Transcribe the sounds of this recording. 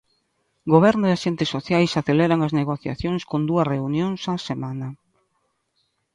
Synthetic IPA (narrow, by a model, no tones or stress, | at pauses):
ɡoβ̞ɛɾnʊaʃent̪ɪsːoθjajsaθeleɾaŋɐzneɣoθja̰θjoŋskond̪uɐsreunjoŋsasemanɐ